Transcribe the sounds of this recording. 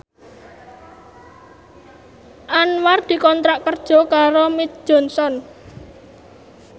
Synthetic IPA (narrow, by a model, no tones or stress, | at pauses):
ʔanward̪̥i̤kɔnt̪ɾaʔkərd̥ʒ̥ɔ̤kaɾomit̪̚d̥ʒ̥ɔ̤nsɔn